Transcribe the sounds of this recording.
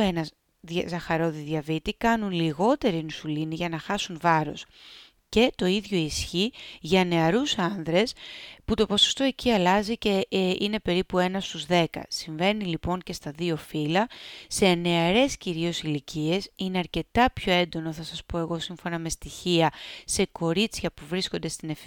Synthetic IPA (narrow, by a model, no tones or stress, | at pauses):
enɐz | ðɐzɐxɐɾo̞ðiðʝɐvit̪ikɐnunliɣo̞t̪e̞ɾinusuliniʝɐnɐxɐsunvɐɾo̞̰s | ce̞t̪o̞iðʝo̞isçiʝɐne̞ɐɾusɐnðɾe̞sput̪o̞poso̥st̪o̞eciɐlɐzice̞ine̞pe̞ɾipue̞nɐst̪uzðe̞kɐ̰siɱve̞nilipo̞ɲce̞st̪ɐðio̞filɐse̞ne̞ɐɾe̞sciɾio̞silicie̞sine̞ɐɾce̞t̪ɐpço̞e̞nd̪o̞no̞θɐsɐspoe̞ɣo̞siɱfo̞nɐme̞st̪içiɐse̞ko̞ɾit͡s̪çɐpuvɾisko̞nd̪e̞st̪inef